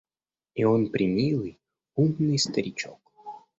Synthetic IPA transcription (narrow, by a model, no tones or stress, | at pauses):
ionpɾʲɪmʲilˠɨj | umnɨjst̪əɾʲɪt͡ɕok